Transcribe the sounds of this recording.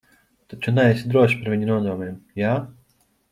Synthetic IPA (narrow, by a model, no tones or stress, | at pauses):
t̪at͡ʃunaɛsʲid̪ɾuɔʃpaɾvʲiɲʲunuɔd̪ɔɔmʲɛmjaː